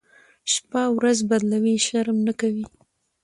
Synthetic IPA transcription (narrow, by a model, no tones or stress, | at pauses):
ʃpawɾazbad̪lawiʃaɾmnakawi